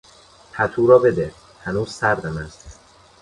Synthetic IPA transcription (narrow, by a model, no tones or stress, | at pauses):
pʰæt̪ʰuːɾɒːbe̞d̪e | hænuːz̥sæɾd̪æmæzd̪